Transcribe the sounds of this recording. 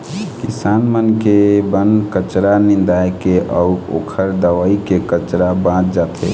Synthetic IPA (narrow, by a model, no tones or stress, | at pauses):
kisaːnmənkebənkət͡ʃɾanĩnd̪ajkeʔəʊo̰ːkʰəɾd̪əʋaikekət͡ʃɾabãt͡ʃd͡ʒat̪ḛ